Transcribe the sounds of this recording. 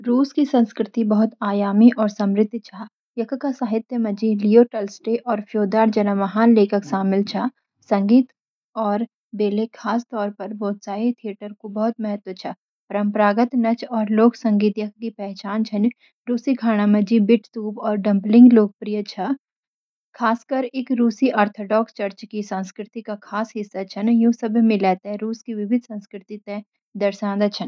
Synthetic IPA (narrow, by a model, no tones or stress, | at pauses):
ɾuːskisɐ̃nskɾɪt̪ibɐɦʊt̪aːjaːmiʔɔːɾsɐ̃mɾɪd̪ʱːt͡ʃʰa | jɐkʰkasaːɦɪt̪jəmɐd͡ʒilioːʈəlsʈeʔɔːɾfʰjoːd̪aːɾd͡ʒɐnəmɐɦaːnleːkʰəkʃaːmɪlt͡ʃʰa | sɐ̃ŋɡiːt̪ | ɔːɾ | beːlekʰaːst̪ɔːɾpɐɾboːt̪saːit̪ʰijəʈəɾkobɐɦʊt̪̚mɐɦət̪wət͡ʃʰɐ | pɐɾə̃mpəɾaːɡət̪nɐt͡ʃɔːɾloːksɐ̃ŋɡiːt̪jɐk̚ʰkipɛːɦt͡ʃaːnt͡ʃʰɐn | ɾuːsikʰaːɽ̃amɐ̃d͡ʒibɪʈʰt̪uːbɔːɾɖɐ̃mplɪ̃ŋɡloːk̚pɾijət͡ʃʰa | kʰaːskɐɾekɾuːsiʔaːɾt̪ʰoːɖɔːkst͡ʃɐɾt͡ʃkisãːnskɾɪt̪ikakʰaːsɦɪsːat͡ʃʰɐnjũːsɐbʱmɪ̃lɛːt̪ɦɛ̃ɾuːskiʋɪʋɪd̪ʱsɐ̃nskɾɪt̪it̪ẽ | d̪ɐɾʃãːnd̪at͡ʃʰɐn